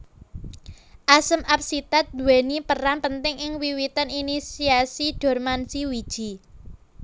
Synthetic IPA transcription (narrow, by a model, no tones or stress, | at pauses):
ʔasəmap̚sit̪at̪̚d̪uwɛnipəranpənt̪ɪŋɪŋwiwit̪əninisiasiɖ̥ɔ̤rmansiwid̥ʒ̥i̤